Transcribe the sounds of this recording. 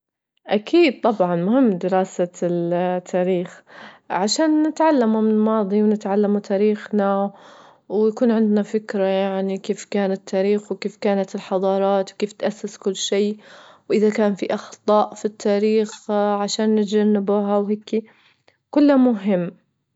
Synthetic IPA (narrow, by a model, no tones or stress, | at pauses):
ʔakʰiːd̪̚t̪ˤɑbʕɑnmʊhɪmːd̪ɪɾɑːsa | t̪ʰːaːɾiːxʕaʃaːnːɪt̪ʕalːamumɪɪlmɑːd̪ˤiwnɪt̪ʕalːamut̪ʰaːɾiːxna | wjakuːnʕɪnd̪nafɪkɾajaʕnikeːfkaːnat̪ʰːaːɾiːxwkeːfkaːnat̪ɪlħɑðˤɑːɾˤɑːt̪wkeːft̪ʔasːɪskʊlːʃeːwʔɪðakaːnfiʔɑxt̪ˤɑːʔfit̪ʰːaːɾiːxʕaʃaːnːɪd͡ʒanːɪbuɦawheːki | kʊlːamʊɦɪmː